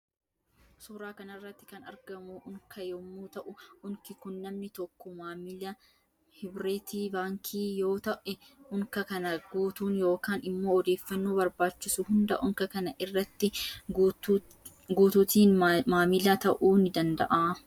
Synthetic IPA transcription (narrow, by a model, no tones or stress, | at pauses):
sʊːɾaːkɐnɐrːɐt̪ːɪkɐnɐ̰ɾɡɐmʊʔʊŋkʰɐjɔmːuːt̪ɐʔʊʊŋkɪkʊnːɐmnɪt̪ɔkːɔmaːmɪlɐ | hɪbɾeːt̪iːbaːŋkʰiːjo̞ːt̪ɐʔɛ | ʊŋkɐkɐnɐɡuːt̪uːnjo̞ːkaːnɪmːo̞ːɔd̪e̞ːfːɐnːoːbɐɾbaːt͡ʃːɪsʊhʊnd̪ɐʔʊŋkɐkɐnɐʔɪrːɐt̪ːɪ | ɡuːt̪uːt̪iːnmaːmɪlaːt̪ɐʔuːnɪd̪ɐnd̪ɐ̰ʔaː